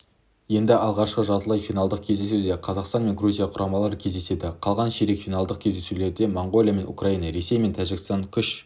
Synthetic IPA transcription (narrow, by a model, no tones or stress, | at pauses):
je̞nd̪ɪɑlˠʁɑʃqəʒɑt̪əlˠɑjfijnɑlˠd̪əq̚kʲʰe̞zd̪e̞sud̪eqʰɑzɑqst̪ɑnme̞ŋɡruzʲijɑqʰʊɾʔɑmɑlˠɑɾəkʲʰe̞zd̪ese̞d̪ɪqʰɑlˠʁɑnʃeɾekfijnɑlˠd̪əq̚kʲʰe̞zd̪e̞sule̞ɾd̪e̞moɴɡo̞lʲˠijame̞nṵkrainɑɾe̞se̞jme̞nt̪ʰæʒɪɡʲɪst̪ɑŋkʲʰʏʃ